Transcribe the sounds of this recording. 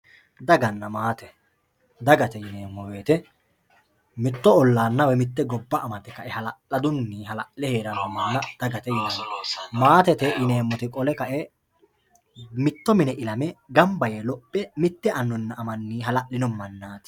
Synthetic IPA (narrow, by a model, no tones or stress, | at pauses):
d̪ɐɡɐnːɐmaːt̪ɛ | d̪ɐɡɐt̪ɛjɪneːmːɔwe̞ːt̪ɛ | mɪt̪ːɔɔlːaːnːɐwɛmɪt̪ːɛɡɔbːɐʔːmɐt̪ɛkɐʔɛhɐlɐɐd̪ʊnːiːɦɐlɐʔlɛhe̞ːɾɐnɔmaːnɐd̪̥ɐɡɐt̪ɛjɪnɐmːɔmaːt̪ɛt̪ɛjɪne̞ːmːɔt̪ɪkʼɔlɛkɐʔɛ | mɪt̪ːɔmɪnɛʔɪlɐmɛɡɐmbɐjɛlɔpʼːɛmɪt̪ːɛʔɐnːɔnːɐʔːmɐnːiːɦɐlɐʔlɪnɔmːɐnːaːt̪ɪ̥